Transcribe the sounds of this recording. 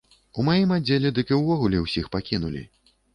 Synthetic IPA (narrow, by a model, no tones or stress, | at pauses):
umajimad͡zʲːelʲɛd̪ɨkʲiwvɔɣulʲɛwsʲixpakʲinulʲḭ